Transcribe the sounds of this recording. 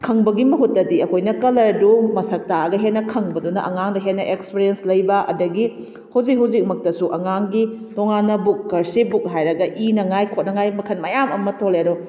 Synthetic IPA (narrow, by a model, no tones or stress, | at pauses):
kʰɐŋbɐɡimɐɦutːɐdiɐkʰojnɐkɐlɐɾdumɐsɐk̚taɐɡɐɦetnɐkʰɐŋbɐdunɐʔɐ̰ŋaŋdɐɦenɐʔekspeɾijenslɐjbɐʔɐ̰dɐɡi | hawd͡ʒik̚ɦawd͡ʒik̚mɐk̚tɐsuʔɐŋaŋɡitoŋanːɐbuk̚ːɐɾsibuk̚ɦajɾɐɡɐʔinɐŋajkʰot̚nɐŋajmɐkʰɐnmɐjamɐmɐtʰoleɾo